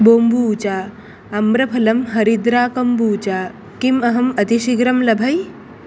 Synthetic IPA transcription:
boːmbuːt͡ɕaː | mbɾɐpʰɐlɐmɦɐɾid̪ɾaːkɐmbuːt͡ɕaː | kimɐɦɐmɐt̪iʃiɡɾɐmlɐbʱɐj

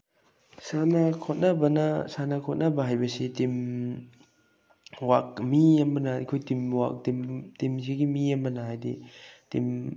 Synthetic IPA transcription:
sanɐkʰot̚nɐbɐnɐsanɐkʰɔt̚nɐbɐɦajbɐsitim | wak̚miɐmbɐnɐkʰojtimwa̰k̚timtimsiɡimiɐmbɐnɐhajdḭtḭm

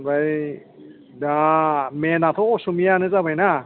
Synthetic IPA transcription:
baj | damenat̪ʰɔsumijanɯzabajna

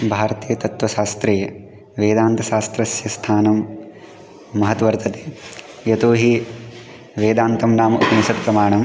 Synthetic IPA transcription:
bʱaːɾɐt̪iːjɐt̪ɐt̪ʋɐʃaːst̪ɾɐjɐ | ʋeːd̪aːnt̪ɐʃaːst̪ɾɐsjɐst̪ʰaːnɐm | ɐɦɐt̪ʋɐɾt̪ʰɐt̪eː | jɐt̪oːɦi | ʋeːd̪aːnt̪ɐmnaːmɐʔupɐnisɐt̪pɾɐmaːɳɐm

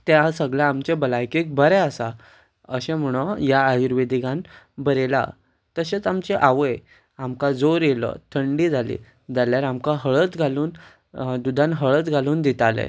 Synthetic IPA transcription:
t̪easəɡɭjaamt͡ɕebəlajkik̚bʱəɾɛasa | əɕẽm̤əɽ̃ɔjaːjiɾʋed̪ikãn | bəɾela̰ | t̪əɕet͡samt͡ɕeʔaʋəj | amkad͡zoɾjelə̰t̪ʰəɳɖid͡zʱalḭ | d͡zaljaɾamkaɦəɭət̪ɡʱaluːn | d̪ud̪ʱãnɦəɭət͡s̪ɡʱaluːnd̪it̪alḛ

